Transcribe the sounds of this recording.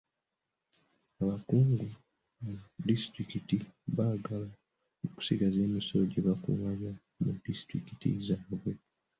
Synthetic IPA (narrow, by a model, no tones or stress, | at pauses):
aβakuːŋɡu | adistɾikitiβaɡala | uku̥siɡaze̞ːmisoɟeβakṵwaβja | mudisi̥tɾḭki̥tḭzaːβwe̞